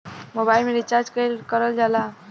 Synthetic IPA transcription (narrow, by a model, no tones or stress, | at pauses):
mobailmeɾit͡ɕaɾd͡ʒkejkəɾəld͡ʒala